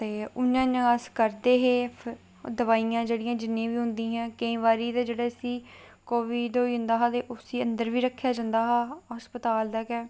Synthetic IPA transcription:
t̪eːʊnãːnaskəɾd̪eːɦeː | d̪əʋaːijãːd͡ʒeːɽĩːjãːd͡ʒɪnːẽːʋiːɦʊ̃nd̪ĩːɦãːkəĩːʋaːɾiːt̪eːd͡ʒeːɽeːəsiː | koːʋiːɖ̪ɦoːiːɦʊ̃nd̪aːɦaːt̪eːʔosiːənd̪əɾʋiːɾəkʰːjaːd͡ʒãːnd̪aːɦaːɦəspət̪aːld̪aːkɛː

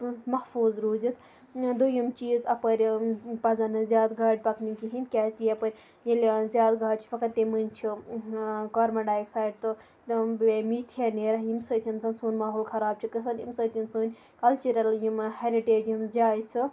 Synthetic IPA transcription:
mɐxfuːzɾuːzit̪ʰ | d̪ujɐmt͡ʃiːzɐpɐɾʲpɐzɐnɨzʲjaːd̪ɡʱaːɖ̚ʲpɐknikiɦinʲkʲaːslijɐpɐɾʲ | jilʲzʲjaːd̪ɡʱaːɖt͡ʃʰi̥fɐkɐt̪emɨnʲt͡ʃʰi | kɐɾmɐɖaːjksaːiɖt̪ɨ | t̪bmiːt̪ʰijaneːɾɐɦjimsəːt̪ʰinsɐnsuːnmaːɦoːlkʰɐɾaːb̚t͡ʃʰikɐsɐnḭmsəːt̪ʰinsuːnʲ | kɐlt͡ʃuɾɐljimheɾiʈeːd͡ʒjinzʲjaːjsɨ

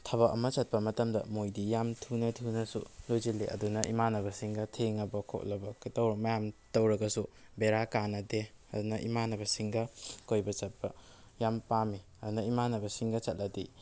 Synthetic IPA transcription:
tʰɐβɐkɐmɐt͡ʃɐt̚pɐmɐtɐmdɐmojdijamtʰinɐtʰinɐsṵlojd͡ʒilːeʔɐ̰dunɐʔimanɐβɐsiŋɡɐtʰeŋɐbɐkʰo̰k̚lɐbɐktɐwɾɐmɐjamtɐwɾɐɡɐsubeɾakanɐdeɐdunɐʔimanɐbɐsiŋɡɐkojbɐt͡ʃɐt̚pɐ | jampami | ɐdunɐimanɐbɐsiŋɡɐt͡ʃɐt̚lɐdḭ

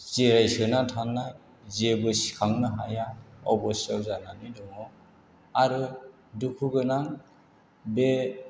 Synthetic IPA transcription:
zeɾajsɯnatʰanːa | zebɯsi̥kʰaŋnɯɦa̰jaɔbɔsawzananɯjdɔŋɔ | aɾɯ | dukʰuɡɯnaŋ | be

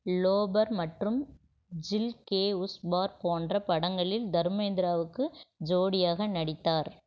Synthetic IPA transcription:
loːbɐɾmɐʈrɯm | d͡ʒɪlkeːʊsbaːɾpoːndrɐpɐɽɐŋɡɐɭɪld̪ɐɾɯmeːnd̪ɪɾaːʋɯkːɯd͡ʒoːɽɪjaːɣɐnɐɽɪt̪ːaːɾ

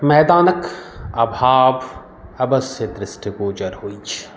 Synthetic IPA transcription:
mɛːd̪aːnɐkɐbʱaːʋ | ɐbɐsed̪ɾɪsʈikoːd͡ʒɐɾhoːit͡ʃʰi̥

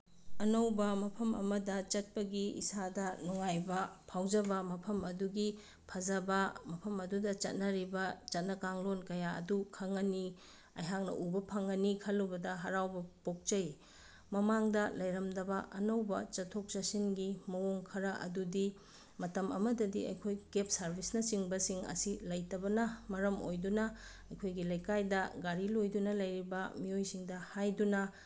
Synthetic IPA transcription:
ɐnɐwbɐmɐpʰɐmɐ̰mɐdɐt͡ʃɐt̚pɐɡiḭsadɐnuŋajbɐpʰawd͡ʒɐbɐmɐpʰɐmɐduɡi | pʰɐzɐbɐmɐpʰɐmɐdudɐt͡ʃɐ̰t̚nɐɾibɐt͡ʃɐt̚nɐkaŋlonkɐjaɐ̰dukʰɐŋɐni | ɐ̰jɦak̚nɐ̰ʔubɐpʰɐŋɐnikʰɐlːubɐdɐɦɐɾawbɐpok̚t͡ʃɐj | mɐmaŋdɐlɐjɾɐmdɐbɐʔɐnɐwbɐt͡ʃɐtʰok̚t͡ʃɐsinɡimɐwoŋkʰɐɾɐʔɐ̰dudi | mɐtɐmɐ̰mɐdɐdiɐ̰jkʰojkep̚sɐɾbʱisnɐsiŋbɐsiŋɐ̰silɐjtɐbɐnɐmɐɾɐmo̰jdunɐ | ɐjkʰojɡilɐjkajdɐɡaɾilojdunɐlɐjɾibɐmiojsiŋdɐhajdunɐ

